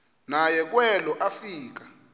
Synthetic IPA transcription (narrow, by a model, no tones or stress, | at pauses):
najɛk̬ʼwɛlɔʔafiːk̬ḁ